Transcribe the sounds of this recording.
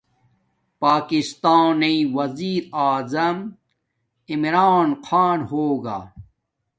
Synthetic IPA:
paːkist̪aːniwɐziːɾaːzɐm | imɾaːnqʰaːnhoːɡa̰ː

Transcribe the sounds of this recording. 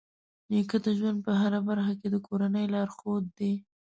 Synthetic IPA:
nekəd̪əʒwand̪̚pəɦaɾabaɾxaked̪əkʰoɾanəjlɑɾxod̪ːe

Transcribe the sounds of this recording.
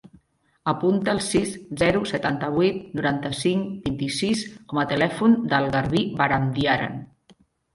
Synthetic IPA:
əpunt̪əːlˠsiszɛɾusət̪ant̪əβ̞wuit̪nuɾant̪əsiŋkbint̪isiskɔmət̪əlɛfund̪əlˠɣəɾβibəɾamd̪iaɾə̰n

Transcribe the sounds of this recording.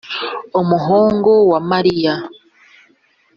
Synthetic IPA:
omuɦoːŋɡowamaɾija

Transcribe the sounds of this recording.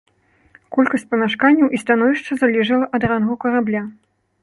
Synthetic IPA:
kɔlʲkɐsʲt͡sʲpɐmʲaʂkanʲːɐwʔist̪anɔvʲiʂt͡ʂɐzalʲɛʐɐlˠɐʔɐd̪ranɣɐkɐɾablʲa

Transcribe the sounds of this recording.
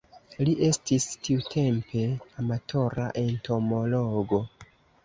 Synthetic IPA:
liʔe̞stistiutʰe̞mpʰe̞amatʰo̞ɾa̰ʔe̞ntʰo̞mo̞lo̞ɡo̞

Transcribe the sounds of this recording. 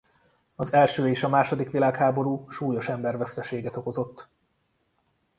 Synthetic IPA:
ɒzɛlʃøːeːʃɒmaːʃo̞d̪ikʋilaːkhaːbo̞ɾuːʃuːjo̞ʃɛmbɛrvɛst̪ɛʃeːɡɛt̪o̞ko̞zo̞t̪ː

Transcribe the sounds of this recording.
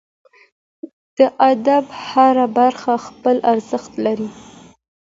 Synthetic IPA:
d̪̥əʔad̪abhaɾabaɾxaxpəlaɾzəxt̪laɾi

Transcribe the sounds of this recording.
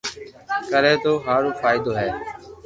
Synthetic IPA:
kəɾɛːt̪oːɦaːɾoːfaːɪd̪oːɦɛː

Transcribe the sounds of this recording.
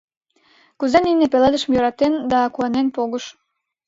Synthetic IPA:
kuzeninepeled̪əʃəmjøɾɑt̪end̪ɑkuɑnenpoɣəʃ

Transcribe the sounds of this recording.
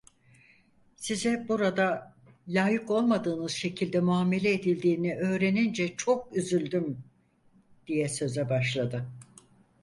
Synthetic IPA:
sizɛbuɾad̪a | lʲaːjɯko̞lˠmad̪ɯːnɯz̥ʃe̞cʰilʲd̪ɛmuaːme̞lʲɛːd̪ilʲd̪iːniʔø̞ːɾe̞nind͡ʒɛt͡ʃʰo̞k̚yzylʲd̪ym | d̪̥ijɛsø̞zɛbaʃlˠad̪ɯ

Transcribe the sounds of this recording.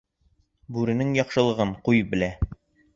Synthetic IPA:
bʉɾɘ̆nɘŋjɒqʃɤ̆lˠɤ̆ʁɤɴqujbɘ̆læ

